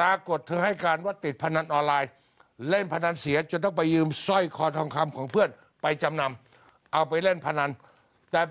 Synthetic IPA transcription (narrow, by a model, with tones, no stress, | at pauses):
aː˧ko˨˩t̪ʰːɤː˧ɦa˥˩jkaː˧nwa˦˥˩t̪ːi˨˩t̪̚pʰa˧na˧nʔɔː˧nlaː˧j | le˥˩npʰa˧na˧nsiː˨˩˦ɐt͡ɕo˨˧˩nt̪ɔː˥˩ŋpa˧jːɯː˧msɔ˥˩jkʰɔː˧t̪ʰɔː˧ŋkʰa˧mkʰɔː˩˦ŋpʰɯ˥˩ən | pa˧jt͡ɕa˧mna˧m | ʔa˧wpa˧jle˥˩npʰa˧na˧˥n | t̪ɛː˨˧˩